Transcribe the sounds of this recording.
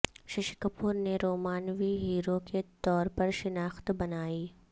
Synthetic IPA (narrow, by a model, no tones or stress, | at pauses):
ʃɪʃɪ̥kəpuːɾneɾoːmaːnʋiɦiːɾoket̪ɔːɾpɐɾʃɪnaːxt̪bɐnaːiː